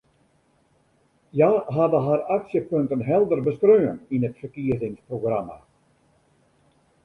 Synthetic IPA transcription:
jaːɦadəɦaraksjəpøntənɦɛlˠdərbəskrøːəninətfərkiəzɪŋsproɡrama̰

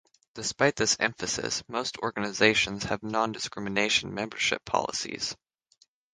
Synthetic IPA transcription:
d̥ɨspaɪt̪̚ðɪsɛ̰̃ɱfɨsɨ̰smoʊstʰɔɹɡɨnɨzeɪʃɨ̃nz̥ɨvnɑ̃ndɨskɹ̥ɪmɨneɪʃn̩mɛ̃mbə˞ʃɪ̰pʰɑ̰lˠə̰sḭz̥

